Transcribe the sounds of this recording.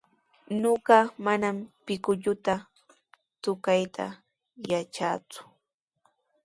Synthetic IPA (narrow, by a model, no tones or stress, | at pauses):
noɢɑmanampɪkʊʎʊt̪a | t͡s̪ʊkajt̪ʰa̰ | jat͡ʃaːt͡sʊ̥